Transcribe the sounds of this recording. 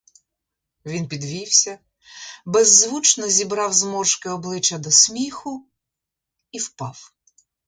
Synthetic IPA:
ʋʲinpʲid̪ʋʲiwsʲɐ | bɛzːʋut͡ʃnɔzʲibɾɑwzmɔʃkɪɔblˠɪt͡ʃɐd̪ɔsʲmʲixʊ | iwpɑw

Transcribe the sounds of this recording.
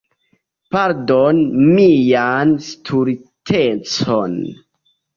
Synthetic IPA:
paɾdonmijanstʰuɾitʰet͡son

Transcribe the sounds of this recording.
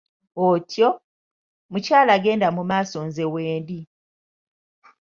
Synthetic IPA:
otjo | mucaːlaɡe̞ːndamumaːso̞nzeweːndi

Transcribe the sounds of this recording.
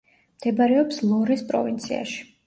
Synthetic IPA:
md̪̥ɛbaɾɛɔpslˠɔɾispʼɾɔ̰vint̪sʰḭa̰ʃi̥

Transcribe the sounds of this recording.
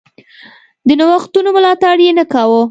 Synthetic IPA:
d̪ənawaxt̪unomʊlɑt̪aɽjenəkawə

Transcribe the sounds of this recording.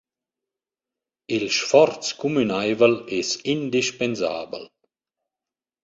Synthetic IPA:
ilʃfɔɾtt͡skumynajvəlɛsind̪iʃpenza̰ːbə̰l

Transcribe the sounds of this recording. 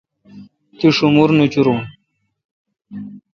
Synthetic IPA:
t̪iʂumuɾnut͡ɕuɾun

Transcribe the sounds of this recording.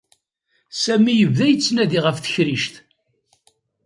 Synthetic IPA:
sæmijəvðæjət͡sːnæðiʁəfθə̥çɾiʃθ

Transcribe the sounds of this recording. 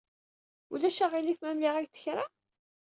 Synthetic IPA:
ulæʃaʁilifmæmliʁæɡθə̥çɾˤa

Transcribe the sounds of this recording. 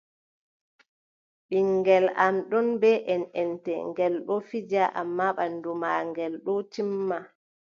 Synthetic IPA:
ɓiŋɡɛlamɗɔnbɛʔɛnɛntɛ̰ŋɡɛlɗɔfid͡ʒaʔa̰mːaɓandumaŋɡɛlɗɔtimːa

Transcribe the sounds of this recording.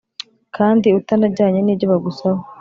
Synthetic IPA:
kʰaːndiutanaɟaːɲeniːɟoβaɡusaho

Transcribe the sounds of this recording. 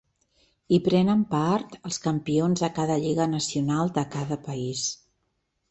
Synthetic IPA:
ipɾɛnəmpaɾt̪əlˠskəmpionzðəkaðəʎiɣənəsiunalˠd̪əkaðəpəis

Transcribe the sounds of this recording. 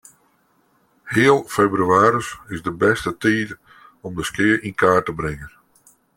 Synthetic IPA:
hɪəlˠfebryaːɾəsɪzdəbɛstətiːd | ɔmdəskɪəɹinkaːrtəbɾɪŋən

